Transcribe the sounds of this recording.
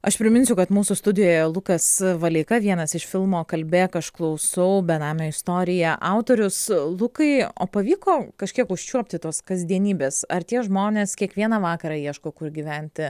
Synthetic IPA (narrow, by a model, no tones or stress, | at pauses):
ɐʃpʲɾʲɪmʲɪnsʲʊkɐt̪muːsʊst̪ʊd̪ʲɪjoːjɛlˠʊkɐsʋɐlʲɐɪkɐʋʲiɛnɐsɪʃfʲɪlˠmoːkɐlʲbʲekɐʃklˠɐʊsɐʊbʲɛnɑːmʲɛɪst̪oːɾʲɪjɛʔɑʊt̪oːɾʲʊslˠʊkɐɪo̰ːpɐʋʲiːkoːkɐʃʲkʲiɛkʊʃʲt͡ʃʲuɔpʲt̪ʲɪt̪oɔskɐzʲd̪ʲiɛnʲiːbʲeːsɐɾt̪ʲiɛʒmoːnʲeːskʲiɛkʋʲiɛnɑʋɑːkɐɾɑːiɛʃkoːkʊɾɡʲiʋʲɛnʲt̪ʲɪ